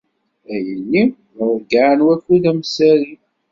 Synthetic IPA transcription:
æjənːi | ɡaʕnwækːuðæmsæɾi

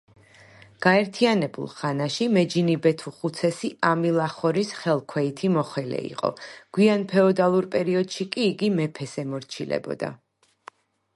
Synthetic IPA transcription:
ɡ̥aɛɾt̪ʰianɛbṵlˠχanaʃimɛd͡ʒinibɛt̪ʰuχut̪sʰɛsiʔamilˠaχɔɾisχɛlˠkʰwɛit̪ʰimɔχwɛlɛ̰ḭqʼɔ̰ɡ̥wianpʰɛɔd̪alˠuɾpʼɛɾiɔd̪̥ʃikʼiːɡimɛpʰɛsɛmɔɾt͡ʃʰilɛ̰bɔ̰d̪a̰

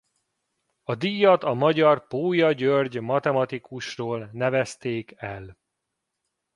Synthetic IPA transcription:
ɒd̪ijɒt̪ɒmɒɟɒrpoːjɒɟørɟmɒt̪ɛmɒt̪ikuʃroːlnɛvɛst̪eːkɛl

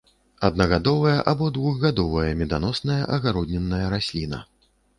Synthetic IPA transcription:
ɐd̪̚nɐɣad̪ɔvɐjɐʔabɔd̪vuɣɣad̪ɔvɐjɐmʲɛd̪anɔsnɐjɐʔɐɣaɾɔd̪ʲnʲɛnːɐjɐɾasʲlʲinɐ̰

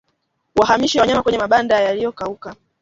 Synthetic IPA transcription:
waɦamiʃiwawaɲamakwɛɲɛmaɓandajalijɔkauka

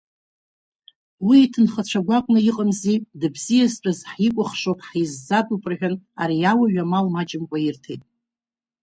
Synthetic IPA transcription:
wiːtʰɨnχət͡ɕʷʰaɡʷakʷʼnɨiqʼəmzidɨbzijazt͡pʷʰʼazħikʷʼʊχʂopʰʼħizːadʼupʼrʕᶣana̰ɾijawaɥᶣamalmad͡ʒɪmkʷʼairtʰejtʼ

